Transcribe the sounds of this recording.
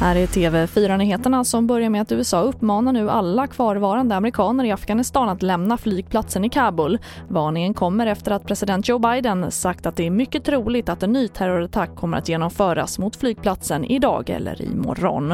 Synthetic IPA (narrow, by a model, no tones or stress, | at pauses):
hæːɾæʈ̪ʰeːvɛfyːɾanyːheːt̪əɳasɔmbœɾjaɾmɛat̪ʉ̟ːɛsɑːɵpːmɑːnaɳʉ̟ːʔalːakʰvɑːɾvɑːɾand̪əamɛɾɪkʰɑːnəɾɪafɡ̥anɪst̪ɑːnat̪lɛmnaflyːɡ̚pʰlat̪sənɪkʰɑːbʊl | vɑːnɪŋənkʰɔmːəɾɛft̪əɾat̪̚pʰɾɛsɪd̪ɛnt̪̚d͡ʒɔːbajd̪ənsak̚t̪at̪̚d̪ɛæɾmʏkːət̪ʰɾuːlɪɡt̪at̪ɛnːyːt̪ʰæɾʊɾat̪ʰakʰːɔmːəɾa̰t̪jeːnɔmfœːɾa̰smʊt̪flyːɡ̚pʰlat̪sənʔɪd̪ɑ̰ːɡɛ̰lːə̰ɾɪ̰mɔ̰ɾɔ̰n